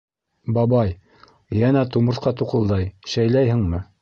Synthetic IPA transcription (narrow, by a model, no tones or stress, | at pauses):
bɑbɑj | jænæt̪umɤ̆ɾθqɑt̪uqɤ̆lˠd̪ɑjʃæjlæjhɘ̆ŋmɘ